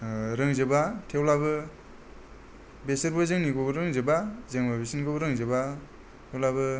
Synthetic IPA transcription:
ɾɯŋzɯbatʰewlabɯ | besɯɾbɯzɯŋniɡobɯɾɯŋzɯbazeŋbabesinɡɯbɯɾɯŋzɯba | tʰewlabɯ

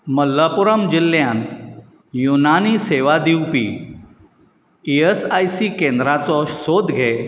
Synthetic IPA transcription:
məlːapuɾəmd͡ʑilːjãnt̪ | junaniːseʋad̪iwpḭː | iesajsiːkẽnd̪ɾat͡sɔsod̪ɡʱe

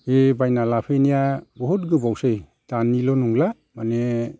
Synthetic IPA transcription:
ebajnalapʰɯjnijabɔɦut̚ɡɯbawsɯj | d̥anilɔnuŋla | mane

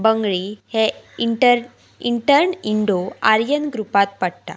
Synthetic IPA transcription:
bəŋɡɭihe | ʈəɾ | iɳʈəɾniɳɖoaɾjənɡɾupat̪̚pəɽt̪a̰

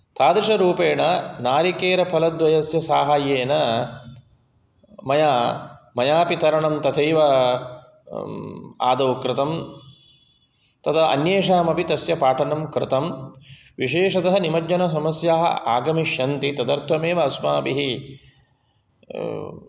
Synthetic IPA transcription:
t̪aːd̪ɾɪʃɐɾuːpeːɳɐnaːɾikeːɾɐpʰɐlɐd̪ʋɐjɐsjɐsaːɦaːjeːnɐ | mɐjaːmɐjaːpit̪ɐɾɐɳɐmt̪ɐt̪ʰɐjʋɐ | a̰ːd̪ɐʋkɾɪt̪ɐm | t̪ɐt̪ʰɐɐ̰njeːʃaːmɐpit̪ɐsjɐpaːʈʰɐnɐmkɾɪt̪ɐm | ʋiʃeːʂɐd̪ɐɦɐnimɐd͡ʒɲɐnɐs̬ɐmɐsjaːɦɐ̰aːɡɐmiʃɐnt̪it̪ɐd̪ɐɾt̪ʰɐmeːʋɐɐsma̰ːpiɦi

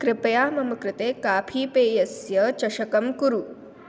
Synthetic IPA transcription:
kɾɪpɐjaːmɐmɐkɾɪt̪eːkaːpʰiːpeːjɐsjɐt͡ʃɐʂɐkɐmkuɾu

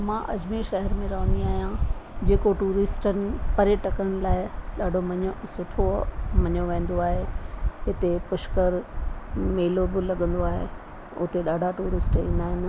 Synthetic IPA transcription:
mãːʔɐd͡ʑmiʃɐɦɛɾmẽɾɐʋ̤ə̃nd̪iaːɦijãd͡ʑeːkoʈuːɾɪsʈənɪ̆pɐɾeʈɐkəɾəɽ̃ɪ̆laːɪɗaːɖʱomɐɲosʊʈʰomɐɲoʋẽːn̆d̪oaːɦeɦɪt̪epʊʃkəɾ | meːlobɪlɐɠə̃nd̪oaːɦḛ | ʊ̰t̪eɗaːɖʱaʈuːɾɪsʈḭ̃ːn̆d̪aːɦɪnɪ̆

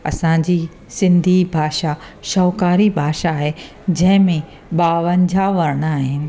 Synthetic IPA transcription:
ɐ̰sãːd͡ʑiː | sɪ̃nd̪ʱibʱaːʃa | ʃɔːkaːɾibʱaːʃaɦe | d͡ʑɐ̃ɦɪ̃mẽ | ɓaːʋəɲd͡ʑʱaʋɐɾɽ̃aːɦɪnɪ̆

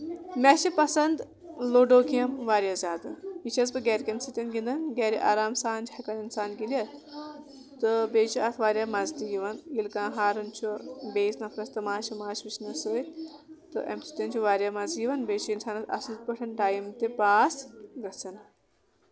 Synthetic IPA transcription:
mɛʃipɐsɐnd̪ | loːɖoːkijɐmʋaːɾʲjɐzaːd̪ɨɦit͡ʃʰɐsbɨɡʲɛːɾʲkɐnsit̪ʲɐnɡʲind̪ɐnɡɛːɾiʔa̰ːɾaːmsaːnd͡ʒhɐkɐninsaːnɡiljɐt̪ | t̪ɨbeːt͡ʃʰuɐt̪ʰʋaːɾjamɐzd̪iɡiʋɐnjilkãːɦaːɾɐnt͡ʃʰubeːsnɐpʰɾɐst̪ɐmaːʃimaːʃʋit͡ʃnɐsɨː | t̪ɨ̰ʔḛmsi̥t̪ʲɐnt͡ʃʰuʋaːɾʲjamɐziʋɐnbeːt͡ʃʰuinsaːnɐt̪ɐ̰sit̪̚pɐʈʰɐnʈaːjimt̪epaːsɡɐt͡sɐn

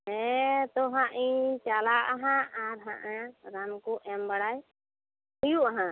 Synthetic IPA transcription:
ɛt̪ɔɦãʔĩt͡ʃalaʔaɦãʔaɾɦã̰ʔãɾamkuʔɛmbaɽaj | hujuʔaɦã

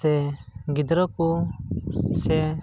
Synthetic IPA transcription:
ɛɡɪd̪ɾɔku | sɛ

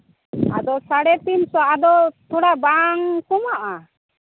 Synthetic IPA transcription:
a̰d̪ɔsaɽɛt̪insɔad̪ɔt̪ʰɔɽabaŋkɔmaʔa

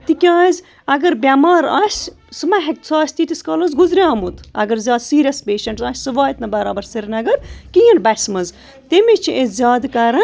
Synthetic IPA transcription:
t̪ikʲaːzʲ | ɐɡɐɾbʲaːmaːɾaːsʲ | sɨmɐɦek̚t̪sʰaːsʲt̪it̪iskɐːlɐzɡuzɾʲjaːmut̪ʰɐ̰ɡɐɾzʲaːd̪siːɾʲɐspeːʃɐɳʈzaːsʲsɨʋaːjit̪nɐbɐɾaːbɐɾsiɾʲnɐɡɐɾkijɐnbɐsmɐz | t̪emit͡ʃʰiʔezʲjaːd̪kɐɾɐ

